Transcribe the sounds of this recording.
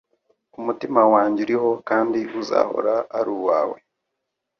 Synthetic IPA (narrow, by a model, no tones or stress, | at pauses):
umutimawaːɲɟiɾiho̞kaːndiuza̰ːho̞̰ɾaaɾuːwaːwe̞̰